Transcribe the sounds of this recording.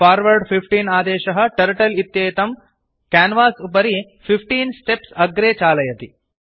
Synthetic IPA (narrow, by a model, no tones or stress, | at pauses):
paːɾʋɐɾɖpʰipʈiːnaːd̪ɛːʃɐɦɐ̆ʈɐɾʈɐlit̪jeːt̪ɐm | kaːnʋaːsup̬ɐɾi | pʰipʰʈiːnsʈepsɐɡɾeːt͡ʃaːlɐjɐt̪i